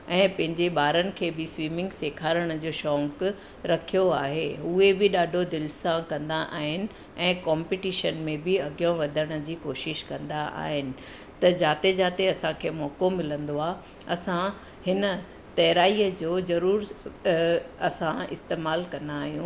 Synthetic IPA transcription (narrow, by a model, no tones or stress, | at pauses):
ɛ̃ːpɐ̃ɦɪ̃ɲd͡ʑeɓaːɾənɪ̆kʰeːbɪsʋiːmɪ̃ŋɡseːkʰaːɾəɽ̃ə̆d͡ʑoːʃɔ̃ːŋk | ɾɐkʰijoaːɦeuɦebɪɗaːɖʱod̪ɪlsãkɐ̃nd̪aʔa̰ːɦɪnɪ̆ | ɛ̃ːkaːmpɪʈiːʃənmẽbɪɐɡijõʋɐd̪ʱəɽ̃ə̆d͡ʑiːkoːʃɪʃkɐ̃nd̪aʔa̰ːɦɪnɪ̆ | t̪ɐd͡ʑaːt̪ed͡ʑaːt̪eɐsãkʰeːmɔːkomɪlə̃nd̪oaː | ɐsã | hɪnə̆ | t̪ɐɦɾaːijəd͡ʑoːzɐɾuːɾ | ɐsãɪ̰st̪eːmaːlkɐ̃nd̪aːɦijũː